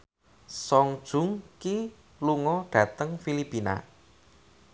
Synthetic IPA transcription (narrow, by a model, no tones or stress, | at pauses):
sɔŋd̥ʒ̥ʊ̤ŋki | luŋɔɖ̥ä̤t̪əŋfilipina̰